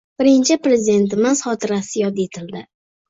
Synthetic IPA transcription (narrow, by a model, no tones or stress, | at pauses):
b̥ɪɾɪnt͡ʃʰɪpɾe̞zɪd̪e̞nt̪ɪmɪz̥χɒt̪ʰɪɾasɪjɒd̪et̪ʰɪld̪ɪ